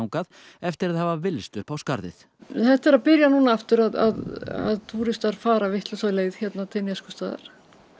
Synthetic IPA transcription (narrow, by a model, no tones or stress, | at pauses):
wŋkað | ɛft̪ɪɾaðhavavɪlst̪ʏːhpawska̰ɾðɪ̰θ | θɛht̪ɛɾaðpɪɾjanunaaft̪ʏɾaða̰ða̰ðt̪ʰuːɾɪst̪aɾ̥faːɾavɪht̪lʏsaːlejɪðçɛt̪nat̪ʰɛnjɛskʏst̪aːða̰ɾ̥